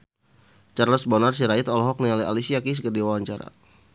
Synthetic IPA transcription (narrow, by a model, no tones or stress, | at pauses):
t͡ʃarləsbɔnars̬iɾait̪ɔlɦɔk̚nialia̰lisiakis̬əkərdiwawaɲt͡ʃaɾa̰